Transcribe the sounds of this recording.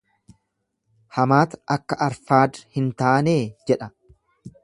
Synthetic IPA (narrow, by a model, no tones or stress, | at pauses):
hɐmaːt̪ɐkːɐʔɐɾfaːd̪hɪnt̪aːne̞ːd͡ʒɛᶑɐ